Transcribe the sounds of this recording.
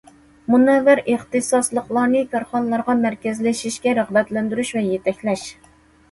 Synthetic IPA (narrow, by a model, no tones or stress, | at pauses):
munɛvːæɾʔeχt̪ɨsɑslˠəqlˠɑɾnɨkʲʰɑɾχɑnɨlˠɑɾʁɑmæɾkʲɛzlɛʃiʃkʲɛɾæʁbɛt̪lɛnd̪yɾyʃvɛjet̪ʰɛkʲlɛʃ